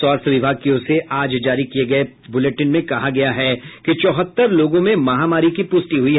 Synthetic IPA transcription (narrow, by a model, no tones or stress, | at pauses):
ɔːɾt̪ʰʋɪbʱaːɡ̚kioseʔaːd͡ʒd͡ʒaːɾikieɡɐe | bʊleʈɪnmẽkɐɦaɡɐjaɦɛkit͡ʃɔːɦət̪ːəɾloːɡõmẽmɐɦaːmaːɾikipʊsʈiɦʊi